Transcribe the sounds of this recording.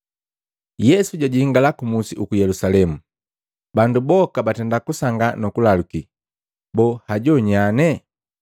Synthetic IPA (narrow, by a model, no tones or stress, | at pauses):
jɛsuɟaɟiiŋɡalakumusiʔukujɛlusalɛmu | bandubɔkabatɛndakusaŋɡanɔkulaluki | bɔhaɟɔɲanɛ